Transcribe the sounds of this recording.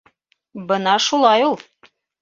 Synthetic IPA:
bɤnɑʃulˠɑjulˠ

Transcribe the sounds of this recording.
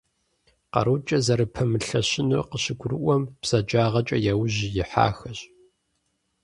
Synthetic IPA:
qɐ̰ɾut͡ʃʼɐzɐɾɨpʰɐmɨɬɐɕɪnṵqəɕɪɡʷʊrɨʔʷɔmb̥z̥ɐd͡ʒaːʁɐt͡ʃʼɐjawʑijɪħa̰ːxɐɕʼ

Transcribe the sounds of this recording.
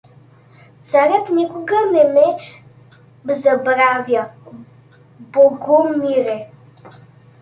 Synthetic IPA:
t̪t͡saɾət̪nikʊɡənɛmɛ | bzɐbɾavjɐ | boɡumiɾɛ

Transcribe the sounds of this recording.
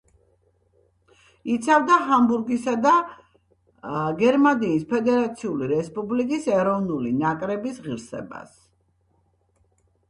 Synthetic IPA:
it̪sʰavd̪aɦambuɾɡisad̪a | ɡɛɾmaniːspʰɛd̪ɛɾat̪sʰiuliɾɛspʼublikʼisɛɾɔvnulinakʼɾɛbisʁiɾsɛ̰ba̰s

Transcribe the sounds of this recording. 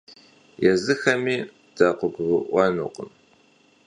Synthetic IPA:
jɛzɨxɐmiː | d̥aːqʷʊɡʷʁɨʔʷɐnṵːqə̰m

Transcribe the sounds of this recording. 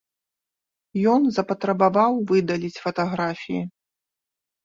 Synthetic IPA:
jɔnzɐpɐt̪ɾɐbavawvɨd̪ɐlʲit͡sʲfɐt̪aɣɾafʲijḭ

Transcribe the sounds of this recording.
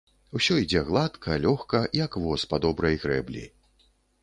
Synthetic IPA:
wsʲɔid͡zʲɛɣlˠat̪kʰɐlʲɔxkɐjɐkvɔspad̪ɔbɾɐjɣɾɛ̰blʲḭ

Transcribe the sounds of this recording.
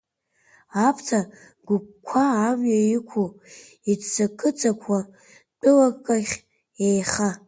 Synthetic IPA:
apʰtʰa | ɡ̥ʷʊp̚kʷʰaːmjajikʷʰu | itt͡sakʰɨt͡sʼakʷʰa | t͡pʰʼɨlakʼkʼaχʲ | ejχa

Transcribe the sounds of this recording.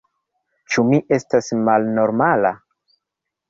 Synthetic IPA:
t͡ʃumiʔe̞stasmalno̞ɾmala

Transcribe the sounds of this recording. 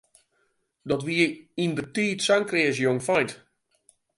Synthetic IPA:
dɔtʋiːəindətiːtsaŋkrɪːəs̬joŋfɔjt

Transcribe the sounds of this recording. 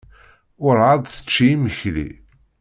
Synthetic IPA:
ʊɾʕaðˤθə̥t͡ʃːiiməçlḭ

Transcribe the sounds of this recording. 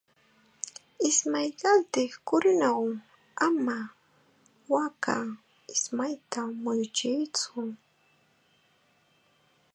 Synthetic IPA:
ɪsmajkant̪ɪhkʊɾʊnaw | ama | waka̰ | ɪsmajt̪amʊjt͡ʃɪjt͡sʊ

